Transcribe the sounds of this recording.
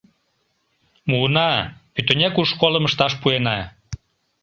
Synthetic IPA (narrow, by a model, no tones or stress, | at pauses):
munɑpyt̪ønʲekuʃkoləməʃt̪ɑʃpuenɑ